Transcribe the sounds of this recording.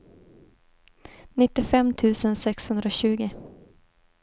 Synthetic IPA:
nɪt̪ːɪfɛmt̪ʰʉ̟ːsənsɛkshɵnd̪ɾaɕʉ̟ːɡɪ

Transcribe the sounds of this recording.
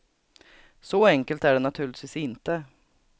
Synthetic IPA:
sɔɛŋkəlt̪æɖɛnat̪ʰʉːɭɪt̪ʰʋiːsɪnt̪ə

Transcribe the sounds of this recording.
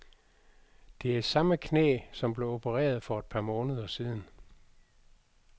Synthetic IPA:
d̥e̝æisɑ̈məkʰnḛːsɒ̽mb̥le̝o̝bʰəʁɛ̰ːɐð̞ˠfɒ̽e̝d̥̚pʰɑ̈mɔ̽ːnəð̞ˠɐsiːð̞ˠn̩

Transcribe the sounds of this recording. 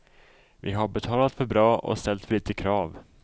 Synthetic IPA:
vɪɦaɾbɛt̪ʰɑːlat̪fœɾbɾɑːʔɔ̰st̪ɛlt̪fœɭiːt̪əkʰɾɑːv

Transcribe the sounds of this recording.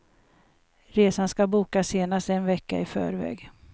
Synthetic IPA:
ɾeːsanskabuːkaseːnast̪ɛnvɛkːaɪfœ̰ːɾvɛ̰ːɡ

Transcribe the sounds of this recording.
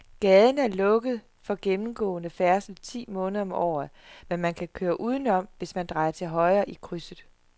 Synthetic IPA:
ɡ̥ɛːð̞ˠn̩æɐlɔ̽ɡ̥əð̞̩ˠ | fɒ̽ɡ̥emm̩ɡ̥ɔ̰̽ːnəfæɐsl̩t͡sʰḭːmɔ̽ːnð̩ˠɐɒ̽mɒ̰ːð̩ˠmenmænkʰækʰøːɐʔuːð̞ˠən̩ɒ̽m̰ʋe̝smænd̥ʁɑ̈ɪɐt͡sʰe̝lɦɒ̽ɪɐːʔikʰʁysð̩ˠ

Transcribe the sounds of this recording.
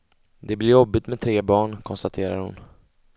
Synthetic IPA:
d̪ɛblɪɾjɔbːɪt̪mɛt̪ʰɾeːbɑːɳkʰɔnst̪at̪ʰeːɾa̰ɾhʊ̰n

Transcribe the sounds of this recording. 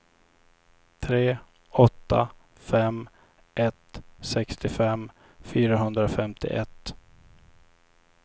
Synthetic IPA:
t̪ʰɾeː | ɔt̪ʰːa | fɛm | ʔɛt̪sɛkst̪ɪfɛm | fyːɾaɦɵnd̪ɾafɛmt̪ɪ̰ʔɛt̪ː

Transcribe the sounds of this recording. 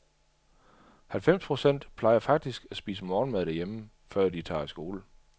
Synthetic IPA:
hælfem̰spʰʁo̝sen̰d̥pʰlɑ̈ɪɐfɑ̈ɡ̥̚d̥isɡ̥æsb̥iːsəmɒːnmæðˠd̥æɐjemə | fɶɐ̰d̥it͡sʰɑ̰̈ːisɡ̥o̝ːlə

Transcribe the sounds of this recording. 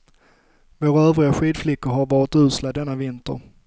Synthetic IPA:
voːɾaøœːvɾɪaɧiːd̪flɪkːʊɾɦaɾvɑːɾɪt̪ʉ̟ːslad̪ɛnːavɪnt̪ə̰ɾ

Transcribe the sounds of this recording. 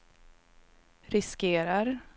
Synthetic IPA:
ɾɪskeːɾaɾ

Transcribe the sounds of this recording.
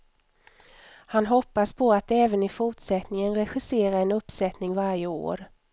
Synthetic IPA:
hanɦɔpːaspʰɔat̪ɛːvənɪfʊʈʂɛt̪nɪŋənɾɛɧɪseːɾaɾɛnɵpːsɛt̪nɪŋvaɾjəo̰ːɾ

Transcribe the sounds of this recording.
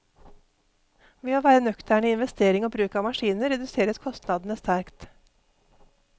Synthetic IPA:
ʋeːɑːʋæːɾənœkt̪æɳiːɪnʋɛst̪eːɾɪŋoːbɾʉːkɑːmɑʃiːnəɾɛd̪ʉseːɾəskʰɔst̪nɑd̪n̩əst̪æɾkt̪

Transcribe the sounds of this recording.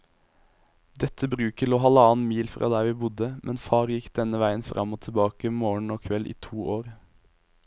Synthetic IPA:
d̪ɛt̪ʰəbʁʉːkəloːɦɑləɑːnmiːlfʁɑ̰ːd̪æːʋiːbʊd̪əmʔɛnfɑːʁjɪkd̪ɛnəʋæɪənfʁɑ̰moːt̪ʰɛbɑːkəmoːɳ̩oːkʰʋɛlʔḭːt̪ʰuːʔoːɾ

